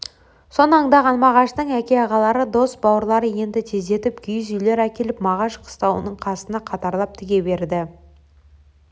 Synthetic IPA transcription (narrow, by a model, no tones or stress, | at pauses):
so̞nəɑɴd̪ɑʁɑnmɑʁɑʃt̪əɴækʲe̞ɑʁɑlˠɑɾəd̪osbɑwəɾlˠɑɾəje̞nd̪ɪt̪ʰe̞zd̪e̞t̪ɪpɡʲʰʏjzʏjle̞ɾækʲe̞lɪpmɑʁɑʃqʰə̥st̪ɑwə̰nəɴqʰɑsənɑqʰɑt̪ɑɾlˠɑp̚t̪ʰɪɡʲe̞be̞ɾd̪ɪ